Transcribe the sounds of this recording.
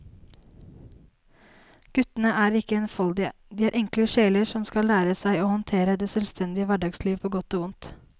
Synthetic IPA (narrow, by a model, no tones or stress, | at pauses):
ɡ̥ʉt̪ən̩əʔæːɾɪkəɛnfɑld̪ɪə̰d̪iːæːɾʔɛŋkləʃeːləɾsɔmskɑlːæːɾəsæɪoːhɔnt̪ʰeːɾəd̪eːsœlst̪ʰɛnd̪ɪəʋæɖɑɡsliːʋpʰoːɡɔt̪oːʊnt̪